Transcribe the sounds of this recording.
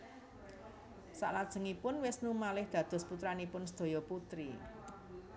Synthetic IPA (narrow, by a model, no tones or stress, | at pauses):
sa̰ʔlad̥ʒ̥ə̤ŋipʊnwɪsnumalɪhd̪̥ä̤d̪̥ɔ̤sput̪ɾanipʊnsəd̪̥o̤jɔput̪ɾi